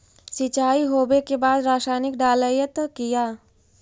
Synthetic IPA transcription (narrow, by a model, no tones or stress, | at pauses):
sɪt͡ʃaːiɦoːbekebaːd̪ɾaːʃaːnɪkɖaːləjət̪kijaː